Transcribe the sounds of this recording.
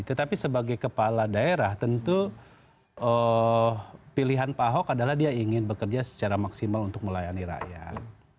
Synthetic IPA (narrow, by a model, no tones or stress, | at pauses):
it̪ət̪apisəbaɡajkəpaladaeɾaht̪ənt̪u | ʔə | piliɦanpaɦɔkadalahdiaiŋɪnbəkərd͡ʒasə̥t͡ʃaɾamaksimalunt̪ʊk̚məlajaniɾa̰jat̪̚